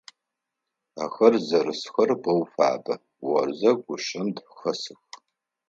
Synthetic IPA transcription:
axɐrzɐrɨsxɐrbɐwfa̰ːbɐ | wɐ̰rzɐɡʷʊʂɐmdxɐsɨx

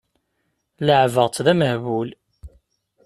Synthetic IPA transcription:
ləʕvəʁt͡s̪ːðæməhβul

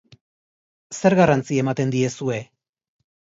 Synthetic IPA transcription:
se̞ɾɣarant͡sie̞mat̪e̞nd̪ie̞sue̞

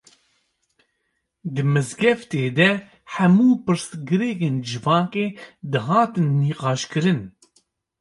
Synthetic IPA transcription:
d̪ɨmɨzɡɛft̪eːd̪ɛ | ħɛmuːpɨɾsɡɨɾeːkeːnd͡ʒɨvɑːkeːd̪ɨɦɑːt̪ɨnːiːqɑːʃkɨɾɨn

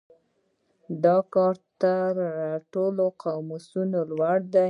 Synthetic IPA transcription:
d̪ɑkɑɾt̪əɾaʈoloqawmusunolwaɽd̪a

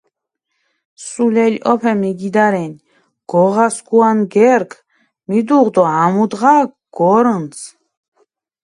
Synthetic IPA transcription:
sulɛlʲɔpʰɛmiɡid̪aɾɛn | ɡ̥ɔʁaskuanɡɛɾkʰ | mid̪uʁd̪ɔamud̪ʁa | ɡ̥ɔɾəns

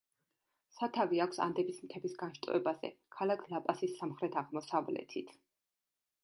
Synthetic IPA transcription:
sat̪ʰaviakʷʰsa̰nd̪ɛbismt̪ʰɛbisɡanʃt̪ʼɛ̰bazɛ̰kʰalakʰlˠapʼasisːamχɾɛt̪ʰaʁmɔsavlɛ̰t̪ʰit̪ʰ

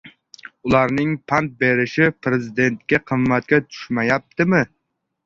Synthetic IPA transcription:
ulˠɑɾnɪŋpʰɑnt̪̚beɾɪʃɪpɾɪzid̪ent̪̚kʲɛqʰəmːæt̪̚kʲɛt͡ʃ̪ʰy̥ʃmɛjɑp̚t̪ʰɪmɪ

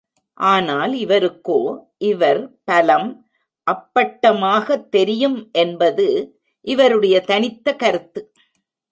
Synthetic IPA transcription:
ʔaːnaːlɪʋɐɾɯkːoːʔɪʋɐɾpɐlɐm | ʔɐpːɐʈːɐmaːɣɐt̪ːɛɾɪjɯmʔɛnbɐðɯ | ʔɪʋɐɾɯɽɐjɐt̪ɐnɪt̪ːɐkɐɾɯt̪ːɯ

